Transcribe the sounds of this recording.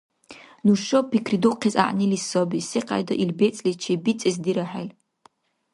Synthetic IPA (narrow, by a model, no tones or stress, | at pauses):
nuʃopʰikʰriduqʰiza̰ʔnilisobiseqʰʼa̰jdo̰ʔilbet͡sʼlit͡ʃʰebit͡sʼezdiɾaħa̰l